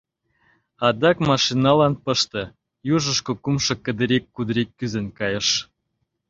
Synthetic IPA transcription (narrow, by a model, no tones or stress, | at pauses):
ɑd̪ɑkmɑʃinɑlɑnpə̆ʃt̪ɤ̆ | juʒə̆ʃkokumʃɤ̆kə̆d̪ə̆ɾekːud̪əɾekːyzenkɑjɤ̆ʃ